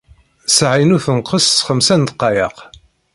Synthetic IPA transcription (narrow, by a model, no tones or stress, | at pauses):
sʕinuθənqːəssχəmsænt̪qːɑjəq